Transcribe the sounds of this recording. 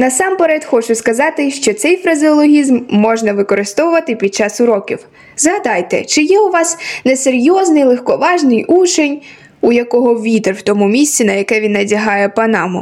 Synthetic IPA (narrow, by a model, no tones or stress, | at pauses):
nɐsɑmpeɾɛt̪xɔt͡ʃʊskɐzɑt̪ɪʃt͡ʃɔt̪sɛjfɾɐzʲɪɔlˠɔɦʲizmːɔʒnɐʋɪkɔɾɪst̪ɔʋʊʋɐt̪ɪpʲid̪̚t͡ʃɑsʊɾɔkʲiw | zɦɐd̪ɑjt̪ɛ̰t͡ʃɪjɛʊʋɑsneseɾʲjɔznɪjlˠexkɔʋɑʒnɪjut͡ʃenʲ | ujɐkɔɦɔʋʲit̪erwt̪ɔmumʲisʲt͡sʲinɐjɐkɛʋʲinːɐdʲɐɦɑjɛpɐnɑmʊ̰